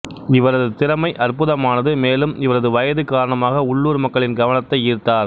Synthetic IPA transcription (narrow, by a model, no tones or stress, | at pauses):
ɪʋɐɾɐðɯt̪ɪɾɐmɐɪʔɐrpʊðɐmaːnɐðɯmeːlɯmɪʋɐɾɐðɯʋɐjɐðɯkaːɾɐɳɐmaːɣɐʊɭːuːɾmɐkːɐɭɪnɡɐʋɐnɐt̪ːɐɪiːɾt̪ːaːɾ